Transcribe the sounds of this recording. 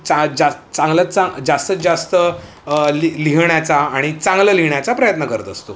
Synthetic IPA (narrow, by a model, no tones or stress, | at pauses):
t͡sad͡zast͡sãŋɡlət͡sad͡zast̪əd͡zast̪ə | liliɦɳjat͡saːɽ̃it͡saŋɡləliɳjat͡sapɾəjət̪nəkəɾət̪əst̪o